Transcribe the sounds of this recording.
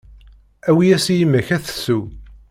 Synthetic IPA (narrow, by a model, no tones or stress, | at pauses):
æwijæsijimːæçæθə̥su